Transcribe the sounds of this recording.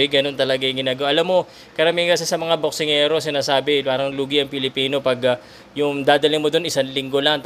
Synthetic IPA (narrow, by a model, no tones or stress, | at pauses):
ɡɐno̞nt̪ɐlɐɡaɪŋɡɪnaːɡɐwʔɐlamːo̞ | kɐɾɐmiŋkɐsɛsɐmɐŋabok̚sɪŋɛːɾo̞sɪnaːsaːbɪpaːɾɐŋluːɡiʔɐŋpɪlɪpiːno̞pɐɡ | jʊŋd̪aːd̪ɐlɪŋmod̪o̞nʔɪsanlɪŋɡo̞lɐŋt̪